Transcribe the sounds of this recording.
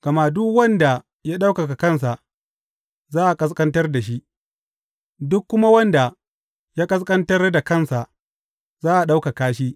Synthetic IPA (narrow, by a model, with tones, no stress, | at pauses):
ɡ̥ɐ˨ma˦dʊ˦kwɐ˦nda˨ | ja˦ɗa˦wkɐ˨ka˨kɐ˦ns̬a˨ʔ | zaː˦ʔa˨kʼɐ˦s̬kʼɐ˦ntɐ˦rda˨ʃi˦ʔ | dʊ˦kːʊ˦ma˦wɐ˦nda˨ | jaː˦kʼɐ˦s̬kʼɐ˦ntɐ˦rda˨kɐ˦˨nsa˨ | zaː˦ʔa˨ɗa˦wka˨kaː˦ʃiː˦